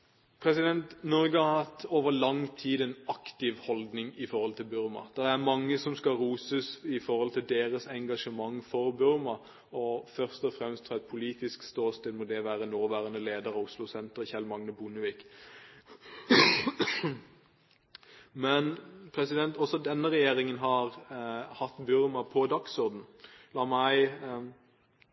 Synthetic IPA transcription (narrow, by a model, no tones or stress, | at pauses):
pʰɾɛsɪd̪ɛnt̪nɔɾɡəhɑɾhɑt̪ːoːʋəʁlɑŋt̪ʰiːd̪ɛnɑkt̪ɪʋhɔld̪nɪŋɪfɔɾhɔlt̪ʰɪlbʉɾmɑ̰d̪̥ɛʁæʁmɑŋːəsɔmskɑʁuːsəsɪfɔʁhɔlt̪ʰɪld̪eːʁəsɛŋɡɑʂəmɑŋfɔɾbʉʁmɑ | ɔfœʁst̪ɔfʁɛmst̪ʰːɑɛt̪̚pʰʊliːt̪ɪskst̪oːst̪ɛd̪mɔd̪ɛʋæːɾənoːʋæːʁənəleːd̪əɾɑʋʊslʊsɛnt̪əʁəçɛlmɑŋnəbʊnəʋiːk | mɛnpʰɾɛsɪd̪ɛnt̪ɔsɔd̪ɛnːəʁɛjeːɾɪŋənɦɑʁhɑt̪ːbʉɾmɑpʰɔd̪ɑksɔɾd̪n̩lɑːmæɪ